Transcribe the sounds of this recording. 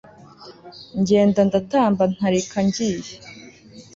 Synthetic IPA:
ɲɟe̞ːndandataːmban̥haɾikʰaɲɟiːje

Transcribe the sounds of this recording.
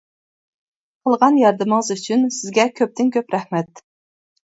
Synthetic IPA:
qʰəlˠʁɑnjɑɾd̪ɨməŋəzyt͡ʃʰynsɪzɡʲɛkʲʰøp̚t̪ʰɪnkʲʰøpɾɛχmɛt̪

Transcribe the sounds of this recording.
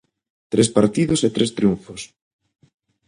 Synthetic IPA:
t̪ɾespaɾt̪iðoset̪ɾest̪ɾjuɱfos

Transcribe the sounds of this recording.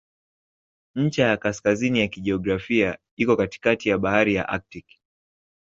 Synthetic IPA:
ɲ̩t͡ʃajakaskazinijakiʄɛɔɡɾafia | ikɔkati̥katijaɓahaɾija̰ʔa̰k̚tik

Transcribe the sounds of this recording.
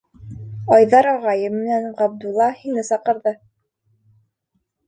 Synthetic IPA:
ɑjðɑɾɑʁɑjɤmmːɘ̆nænʁɑb̚d̪ulˠːɑhinɘsɑqɤ̆ɾðɤ

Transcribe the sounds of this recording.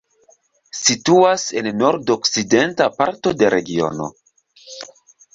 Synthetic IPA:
situase̞nːo̞ɾdokside̞ntapaɾto̞deɾe̞ɡio̞̰no̞̰

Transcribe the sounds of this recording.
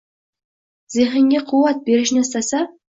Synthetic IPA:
z̥eχɪŋɡʲeqʰuwɑt̪̚beɾɪ̆ʃnest̪ɑsɑ

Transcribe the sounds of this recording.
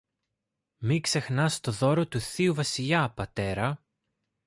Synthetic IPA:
mikse̞xnɐst̪o̞ðo̞ɾo̞t̪uθiuvɐsiʎɐpɐt̪e̞ɾɐ

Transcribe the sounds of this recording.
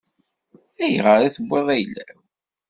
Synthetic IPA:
æjʁəɾˤæθəbʷːeðˤæjəlːæ

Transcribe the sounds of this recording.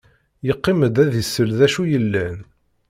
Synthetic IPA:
jəqːɪməd̪æðisːəlðæʃujəlːæn

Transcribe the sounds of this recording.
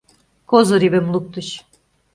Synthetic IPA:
kʰozoɾibɛmlˠuk̚t̪uʃ

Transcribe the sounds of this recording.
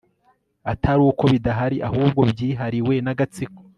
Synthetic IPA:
atʰaɾuːko̞βidaɦaɾiʔahuːb̚ɡo̞bjiːɦaɾiwe̞naɡat͡siko̥

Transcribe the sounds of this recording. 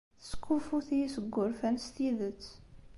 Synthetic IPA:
θə̥sə̥kːufuθiisəɡːʊɾfænst̪iðət͡sː

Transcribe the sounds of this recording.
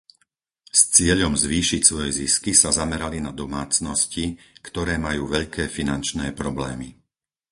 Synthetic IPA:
st͡sɪɛʎɔmzʋiːʃicsʋɔjɛziskisazamɛɾalinad̪ɔmaːt͡snɔscikt̪ɔɾɛːmajuːʋɛʎkɛːfinant͡ʃnɛːpɾɔblɛːmi

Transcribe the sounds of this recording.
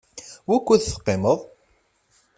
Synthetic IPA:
wækʷːʊðθə̥qːɪməðˤ

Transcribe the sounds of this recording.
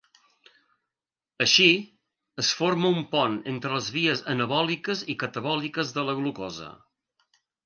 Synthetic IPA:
əʃi | əsforməumpɔnent̪ɾələzβiəzənəβɔlikəzikət̪əβ̞ɔlikəzðələɣlukɔzə̰

